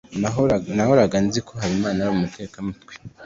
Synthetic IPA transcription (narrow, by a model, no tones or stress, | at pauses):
nahoɾaɡanizikʰo̞ɦaɾimaːnaɾomumutʰe̞ːkamutwi̥